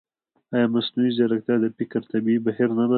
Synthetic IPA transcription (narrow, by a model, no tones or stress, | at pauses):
ajɑmasnuizaɾak̚t̪ad̪əpɪkaɾt̪abiibahiɾnala